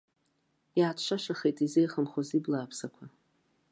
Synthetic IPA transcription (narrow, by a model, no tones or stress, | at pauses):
jaːtʰʂʷaʃaχejtʼizejχəmχoziblaːpʰsakʷʰa